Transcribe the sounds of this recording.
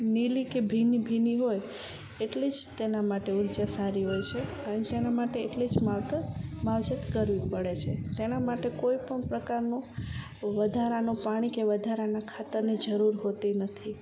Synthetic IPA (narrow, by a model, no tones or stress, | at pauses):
nilikebʱinibʱiniɦoj | eʈlid͡ʒt̪enamaʈeuɾd͡ʒasaɾiɦojt͡ʃʰeənet̪enamaʈeːʈled͡ʒmaʋt̪əmaʋd͡ʒət̪kəɾʋipəɽet͡ʃʰet̪enamaʈekoipəɳpɾəkaɾno | ʋəd̪ʱaɾanopaɽ̃ikeʋəd̪ʱaɾanakʰat̪əɾnid͡ʒəɾuɾɦot̪inət̪ʰi